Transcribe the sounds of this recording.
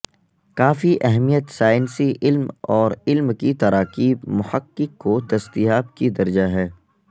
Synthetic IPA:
kaːfiʔɛɦmijət̪saːjnsiʔɪlmɔːɾɪlmkit̪ɐɾaːqiːbmʊhəkːɪkːot̪ɐst̪iɦaːbkid̪ɐɾd͡ʒaɦɛː

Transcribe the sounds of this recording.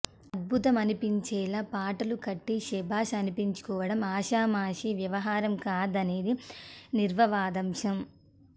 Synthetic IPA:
ɐd̪̚bʱut̪ɐmɐnipiɲt͡ʃɛːlaːpaːʈɐlukɐʈːiʃɛbʱaːʃɐnipiɲt͡ʃu̥kɔːʋɐɽɐmaːʃaːmaːʂiʋjɐʋɐɦaːɾɐmkaːd̪ɐne̞ːd̪iniɾʋɐʋaːd̪ɐmʂɐm

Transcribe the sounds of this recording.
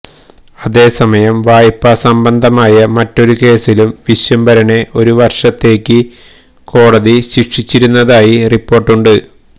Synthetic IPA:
ɐðe̞ːsɐmɐjɐmʋaːjipːɐsɐmbɐnd̪ʱɐmaːjɐmɐtːo̞ɾuke̞ːsilumʋiɕjɐmbɐɾɐɳe̞ʔo̞ɾuʋɐrʂɐt̪ːe̞ːkʲːɨ | ko̞ːɽɐðiɕikʂit͡ɕːiɾunːɐðaːjiripːo̞ːrʈːuɳɖɨ

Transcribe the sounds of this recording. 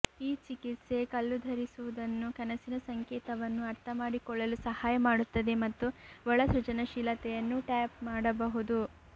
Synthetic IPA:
iːt͡ʃikit̪se̞kɐlːud̪ʱɐɾisuʋud̪ɐnːukɐnɐsinɐsɐŋkɛːt̪ɐʋɐnːuɐɾt̪ʰɐmaːɽikɔɭːɐlusɐhaːjɐmaːɽut̪ːɐd̪e̞mɐt̪ːuʋɔɭɐsɾut͡ʃɐnɐʃilɐt̪ɛjɐnːuʈaːpmaːɽɐbɐɦud̪u

